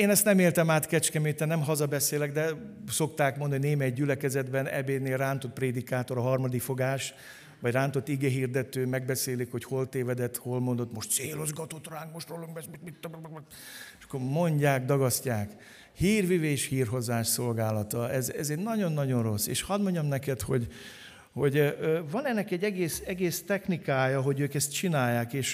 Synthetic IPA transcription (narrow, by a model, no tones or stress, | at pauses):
eːnɛst̪nɛmeːlt̪ɛmaːt̪kɛt͡ʃkɛmet̪ːɛnɛmɦɒzɒbɛseːlɛɡd̪ɛ | so̞kt̪aːkmond̪ɒnoneːmɛjɟylɛkɛzɛd̪bɛnɛ̰beːneːlraːnt̪o̞t̪̚preːd̪ikaːt̪o̞ɾɒɦɒrmɒd̪ikfo̞ɡaːʃ | ʋɒɟraːnt̪o̞t̪ːiɡɛɦiːrd̪ɛt̪øːmɛɡ̚bɛseːlikho̞cho̞lt̪eːvɛd̪ɛt̪ho̞lmo̞nd̪o̞t̪mo̞ʃt̪t̪seːlozɡɒt̪o̞t̪raːŋk̚moʃt̪roluŋɡbɛsmimit̪ːob | ʃɒ̥kːormo̞ɲɟaːkd̪ɒɡɒscaːk | hiːrʋiveːʃhiːrɦo̞zaːʃso̞lɡaːlɒt̪ɒɛzɛzɛɟnɒɟo̞nːɒɟo̞nro̞sːḛːʃhɒd̪mo̞ɲɟɒmnɛkɛt̪ho̞ɟ | ho̞ɟvɒnɛnːɛkɛɟːɛɡeːsɛɡeːst̪ɛxnikaːjɒɦo̞ɟøːkɛst̪̚t͡ʃinaːjːaːkeːʃ